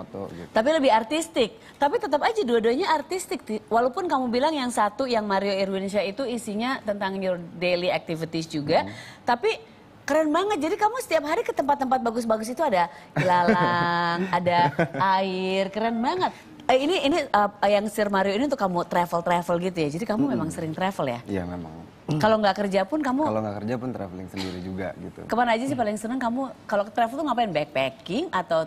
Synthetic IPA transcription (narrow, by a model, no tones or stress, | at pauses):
t̪t̪ap̬iləbɪhart̪ist̪ɪk̚ | t̪apit̪ət̪apad͡ʒaduaduaɲaːrt̪ist̪ɪk̚t̪iwalaupʊnkamubilaŋjaŋsat̪ujaŋmaɾioiɾwinʃait̪uisiɲat̪ənt̪aŋjurdeliak̚t̪ivit̪isd͡ʒuɡat̪api | kəɾanbaŋət̪̚d͡ʒadikamusə̥t̪iap̚ɦaɾikət̪əmpat̪ːəmpat̪̚baɡʊs̬baɡʊs̬it̪uadailalaŋadaaɪrkəɾɛnbaŋət̪̚ | əiniːniəjaŋsirmaɾioiniʊnt̪ʊkːamut̪ɾɛfəlt̪ɾɛfəlɡit̪ujad͡ʒadikamumemaŋsəɾɪŋt̪ɾɛfəlja̰ija̰mema̰ŋ | kaloŋɡaʔkərd͡ʒapʊnkamualoŋɡa̰ʔkərd͡ʒapʊnt̪ɾɛ̰fəlɪ̰ŋsəndiɾḭd͡ʒuɡa̰ɡit̪ṵkəpanaːd͡ʒas̬ɪhpalɪŋsənəŋkamukalokt̪ɾɛfəlt̪uŋapajɛnbaɛk̚pɛkɪŋat̪aw